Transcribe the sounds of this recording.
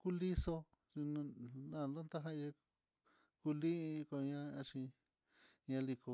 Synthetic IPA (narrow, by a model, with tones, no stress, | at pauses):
ku˦li˦so˧ | i˧ñ˧nã˦˨lo˦nt̪a˦ɦã˦˧je˧ | ku˧lĩ˦ĩ˧ko˧ɲã˧ã˧t͡ʃĩ˧ | ɲã˧li˧ko˧˨